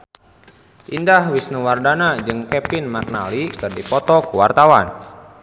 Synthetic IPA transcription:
ʔindahwisnuwardanad͡ʒɨŋkɛpinmak̚na̰likɨrdipɔt̪ɔkuwa̰rt̪awan

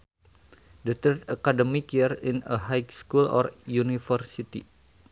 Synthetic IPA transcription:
dət̪ərd̪akadəmikirinəɦajskulɔ̰ɾjunifərsit̪ḭ

